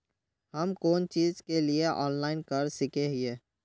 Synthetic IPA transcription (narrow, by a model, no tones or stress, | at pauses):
hɐmkoːnt͡ʃiːzkelieʔɔːnlaːɪnkɐɾsɪkeɦieː